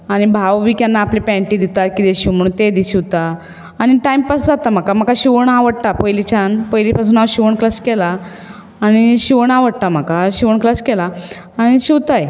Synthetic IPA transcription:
aɽ̃ibʱaʋʋiːkjanːaːplepɛ̃ɳʈiːd̪it̪at̪̚kid̪eɕiʋm̤əɽ̃uːnt̪ed̪iɕiʋt̪aː | ɽ̃iʈajmpasd͡zat̪am̤akam̤əkaɕiʋəɳaʋəɽt̪apəjlit͡ɕʰanpəjlipas̬uːnaɕiʋəɳklaskɛlaː | ɽ̃iɕiʋəɳaʋəɽt̪am̤akaɕiʋəɳklaskɛla | aɽ̃iɕiwt̪aj

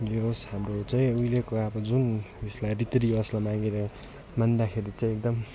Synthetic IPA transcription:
joshamrot͡saj̃ujlekoʌbʌd͡zuneslajrit̪ɾiʌslʌmaɡeɾʌ | mand̪akʰeɾit͡saĩek̚d̪ʌm

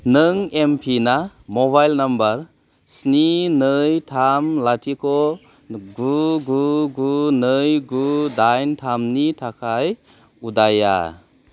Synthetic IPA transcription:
nɯŋempʰinamoβajlnɐmbɐɾ | sninɯjtʰamlatʰikʰɔ | ɡuɡuɡunɯjɡudajntʰamnitʰakʰaj | udaja̰

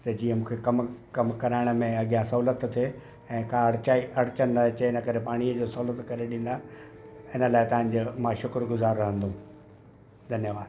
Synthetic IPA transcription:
t̪ɐd͡ʑiːə̃mũːkʰekɐmkɐmkɐɾaːɪɽ̃ə̆mẽɐɡijãsɐɦuːlət̪t̪ʰe | ɛ̃ːkãɽaːiɐɽ̤ɪt͡ɕənɐt͡ɕeɪnəkɐɾepaːɽ̃iəd͡ʑoːsɐɦuːlət̪kɐɾeɗĩːn̆d̪a | ɪnə̆laːɪt̪ɐʋ̤ãɲ̆d͡ʑoːmãːʃʊkɾɡʊzaːɾːɐɦə̃nd̪õ | d̪ʱɐnjəʋaːd̪

